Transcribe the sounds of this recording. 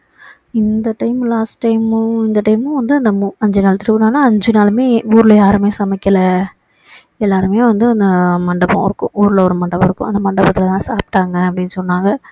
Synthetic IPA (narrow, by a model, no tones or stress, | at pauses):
ɪnd̪ɐʈɐɪmlaːsʈʈːɐɪmɪnd̪ɐʈɐɪmɯ̃ʋɐnd̪ɯɐnd̪ɐmɐɲd͡ʒɯnaːlt̪ɪɾɯʋɯnaːnaːɐɲd͡ʒɯnaːlmeːuːɾɯlɐjaːɾɯmeːsɐmɐkːɐlɐ | ɛlːaːɾɯmeːʋɐnd̪ɯɐnd̪ɐmɐɳɖɐpɔ̰̃ɪɾɯkːʊ̰̃ʔuːɾɯlɐɔɾɯmɐɳɖɐpɐ̃ɪɾɯkːʊ̰̃ɐ̰nd̪ɐmɐɳɖɐbɐt̪ːɪlɐt̪ãːsaːpʈːaːŋɡɐɐpːɐɽɪnːɯsɔnːaːŋɡɐ